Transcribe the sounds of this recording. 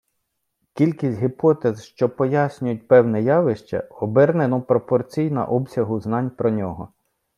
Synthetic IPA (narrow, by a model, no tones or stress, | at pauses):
kʲilʲkʲisʲtʲɦɪpɔt̪ezʃt͡ʃɔpɔjasʲnʲʊjʊt̚ʲpɛwnɛjɑʋɪʃt͡ʃɐ̰ɔbɛrnenɔpɾɔpɔrt͡sʲijnɐ̰ʔɔbsʲɐɦʊznɑnʲpɾɔnʲɔɦɔ